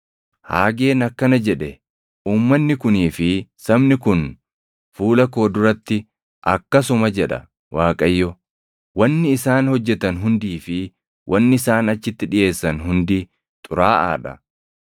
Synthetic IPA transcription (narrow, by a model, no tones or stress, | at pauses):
ha̰ːɡe̞ːnɐkːɐnɐd͡ʒɛᶑɛ | ʔuːmːɐnːɪkʊniːfɪsɐbnɪkʊn | fuːlɐko̞ːd̪ʊɾɐt̪ːɪ | ʔɐ̰kːɐsʊmɐd͡ʒɛᶑɐ̰ | wʔaːkʼɐjːɔ | wɐnːɪːsaːnhɔd͡ʒːɛt̪ɐnɦʊnd̪iːfɪ | wʔɐnːɪɪsaːnɐt͡ʃːɪt̪ːɪᶑɪje̞ːsːɐnɦʊnd̪i | t̪ʼʊɾaːʔa̰ːᶑɐ̰